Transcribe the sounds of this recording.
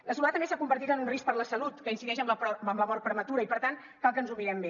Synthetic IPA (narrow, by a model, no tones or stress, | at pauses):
ləsulat̪əmesakumbəɾt̪it̪ənunrisk̚pəɾləsəlut̪kəinsiðɛʒəmləpəmləmɔɾ̚pɾəmət̪uɾəipəɾt̪an | kalˠkənzumiɾɛmbe